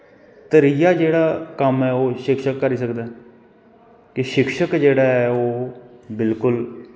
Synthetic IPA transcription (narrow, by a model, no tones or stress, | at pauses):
t̪əɾiːjaːd͡ʒeːɽaːkəmɛːoːʃɪkʃəkːəɾiːsəkd̪aː | kɪʃɪkʃəkd͡ʒeːɽaːɛːoːbɪlkʊl